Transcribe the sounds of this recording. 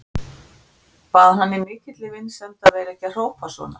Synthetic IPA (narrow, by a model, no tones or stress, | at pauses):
vaːðanːɪmɪːcɪt̪lɪvɪnsɛmt̪avɛːɾɛhcɪaðr̥oːwpasvɔ̰ːna̰